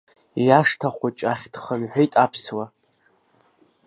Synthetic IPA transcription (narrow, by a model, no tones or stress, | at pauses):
jaʂtʰaχʷat͡ʃʼaχʲd̥χənħʷᶣejtʼapʰswa